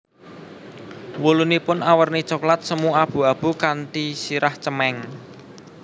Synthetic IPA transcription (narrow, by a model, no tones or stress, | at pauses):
wulunipʊnawərnit͡ʃɔklat̪̚səmuab̥ṳab̥ṳkant̪isiɾaht͡ʃəmɛŋ